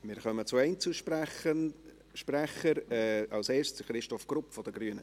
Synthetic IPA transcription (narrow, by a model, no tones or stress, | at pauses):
mɪɾχœmət͡sʊɛɪnt͡suʃpə | ʃprɛχəɾɛːɑlseːɾʃt͡sχɾɪʃtɔfɡ̥rʊpfɔd̪əɡ̥ryːənə